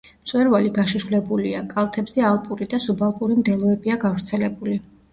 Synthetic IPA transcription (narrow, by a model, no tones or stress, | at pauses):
t̪sʼwɛɾvaliɡaʃiʃulɛbuliakʼalˠt̪ʰɛbz̥ɛalˠpʼuɾid̪asubalˠpʼuɾimd̪ɛlˠɔɛbiaɡavɾt̪sʰɛlɛbuli